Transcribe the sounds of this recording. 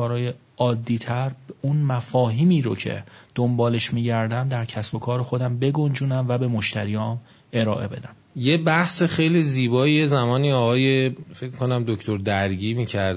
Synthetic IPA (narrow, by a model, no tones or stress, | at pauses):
ɒːɾɒːje | ɒːd̪ːiːt̪ʰæɾunmæfɒːɦiːmiːɾo̰cʰe̞̰d̪̥ombɒːle̞ʃmiːɟæɾd̪æmd̪æɾcʰæsb̥o̞kʰɒːɾexo̞d̪æmbe̞ɡo̞nd͡ʒuːnæmvæbe̞moʃt̪ʰæɾijɒːn | e̞ɾɒːʔe̞̰be̞̰d̪æm | jebæhseχejliziːbɒːijezæmɒːniːɒːɣɒːjefecʰmi̥ko̞næmd̪okcʰt̪oɾd̪æɾɟiːmiːcʰæɾ